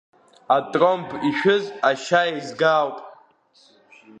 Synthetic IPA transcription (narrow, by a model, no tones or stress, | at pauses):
atʼrʼompʰiʃᶣʊzaʃaizɡawpʼ